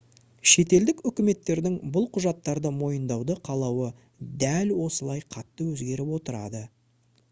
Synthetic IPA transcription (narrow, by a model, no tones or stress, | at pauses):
ʃe̞t̪e̞ld̪ɪkʏkʲɪme̞t̪ːe̞ɾd̪ɪŋbʊlˠqʰʊʒɑt̪ːɑɾd̪əmo̞jənd̪ɑwd̪əqʰɑlˠɑwə | d̪ælwo̞səlˠɑjqʰɑt̪ːəwɵzɡʲe̞ɾɪpwo̞t̪əɾɑ̰d̪ə